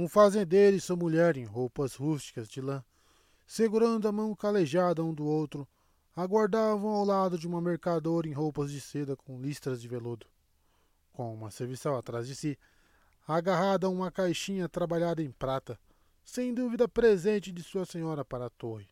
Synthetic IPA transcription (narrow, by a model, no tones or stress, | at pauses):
ũfazẽnd̪eɾʊɪsomuʎɛɾẽj̃ɦowpɐzhust͡ʃi̥kɐzd͡ʒɪlɐ̃ | seɡuɾɐ̃nd̪ʊɐmɐ̃w̃kaleʒad̪ɐũd̪ʊowt̪ɾʊ | aɡwaɾd̪avɐ̃w̃awlad̪ʊd͡ʒɪũmɐmeɾkad̪oɾɐẽj̃ɦowpɐzd͡ʒɪsed̪ɐkõlist̪ɾɐzd͡ʒɪvelud̪ʊ | kõũmɐseɾvisɐ̃w̃at̪ɾazd͡ʒɪsi | aɡaɦad̪ɐũmɐkajʃĩɲɐt̪ɾabaʎad̪ɐẽj̃pɾat̪ɐ | sẽj̃d̪uvid̪ɐpɾezẽnt͡ʃɪd͡ʒ̪ɪsuɐsẽɲɔɾɐpaɾɐːt̪ohɪ